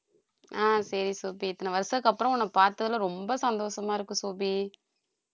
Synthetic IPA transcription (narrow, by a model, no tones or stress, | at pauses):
aːsɐɾisoːbiɛt̪ːɐnɐʋɐɾsɐkːɐpːɯɾɐ̃ɔnːɐpaːɾt̪ːɐðɐlɐ̃ɾɔmbɐsɐnd̪oːʂɐmaːɪɾɯkːɯ̃soːbi